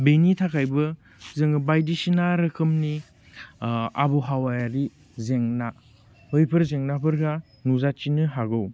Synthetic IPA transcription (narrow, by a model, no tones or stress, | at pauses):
benitʰakʰajbɯ | zɯŋbajdisinaɾɐkʰɯmni | a̰bɔɦawajaɾi | zeŋna | hɯjpʰɯɾzeŋnapʰɯɾkʰa | nuzat͡ʃinɯɦaɡɯw